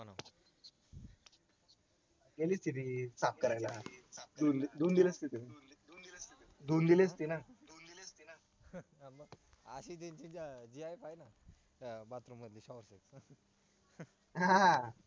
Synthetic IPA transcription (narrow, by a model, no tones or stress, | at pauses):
ana | ɡeliːst̪it̪isap̚kəɾajlad̪und̪und̪iləst̪it̪inad̪ | d̪und̪ilest̪inad̪und̪lst̪ina | m | əɕit̪ẽɲt͡ɕid͡ʑiajpajna | bat̪ɾuməd̪liɕɔʋɾseks | ɦã